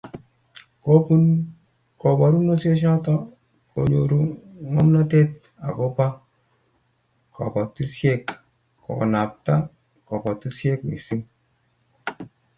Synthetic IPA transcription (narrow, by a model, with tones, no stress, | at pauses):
ko˦pu˦n | kɔ˨bɔ˨ɾu˦no˦sje˦ʃ̬ɔ˦tɔ˦ | ko̰˨ɲo˨ɾu˦ŋɔ˦mna˦te˦t̚ | a̰˨ko˦pa˦ | kɔ̰˨pɔ˨ti˦sje˦kː | ɔ̰˨na˨p̚ta˦ | kɔ˨pɔ˨ti˦sje˦kwḭ˨si˦m